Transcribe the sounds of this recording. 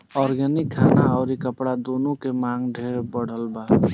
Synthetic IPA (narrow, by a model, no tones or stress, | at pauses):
ɔɾɡɛnikʰːanaɔʊɾikəpɽad̪onukemaŋɡɖʱeɾbəɽ̤əlba